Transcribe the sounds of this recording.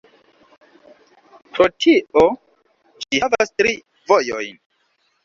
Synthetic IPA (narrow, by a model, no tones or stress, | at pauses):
pɾo̞tʰiʔo | ʃihavastɾi | vo̞jojn